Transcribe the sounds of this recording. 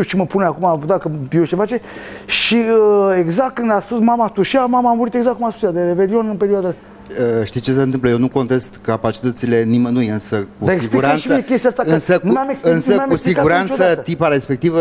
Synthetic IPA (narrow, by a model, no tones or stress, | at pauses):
it͡ʃiməpuneakumad̪akəjot͡ʃefat͡ʃe̞ | ʃiəeɡzak̪kɨnd̪aspusmamat̪uʃamamaːmuɾit̪e̞ɡzakːumaspusjad̪eɾeve̞lio̞nɨnpe̞ɾioad̪a | əʃt̪it͡ʃe̞s̬enɨmpləjenuko̞nt̪est̪kapat͡ʃi̥t̪ət̪sile̞nimənujɨnsəkud̪asekiɡiuɾantʃsəekʲe̞st̪ijast̪aɨnsənumameksɨnsəameussiɡkauɾantt͡ʃossəaət̪ət̪ipaɾespe̞k̚t̪ivə